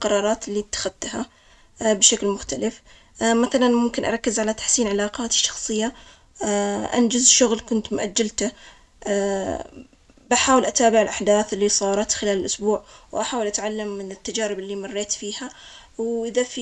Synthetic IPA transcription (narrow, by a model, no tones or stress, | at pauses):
qɑɾˤɑːɾˤɑːt̪ɪlːit̪ːḁxad̪t̪ha | bʃaklmʊxt̪alɪf | maθalanmʊmkɪnʔɑ̰ɾˤɑkːɪzʕalat̪ḁħsiːnʕalaːqɑːt̪ɪ̥ʃːɑ̥xsˤɨjːa | ʔa̰nd͡ʒazʃʊɣlkʊnt̪mʊʔad͡ʒːalt̪a | bʔaħaːwɪlʔat̪aːbɪʕɪlʔaħd̪aːθɪlːisˤɑːɾˤɑt̪xɪlaːlɪlʔʊsbuːʕwʔaħaːwɪlʔat̪ʕalːamːɪnɪt̪ːad͡ʒaːɾɪbɪlːimɑrˤːeːt̪fiːha | wʔɪðafi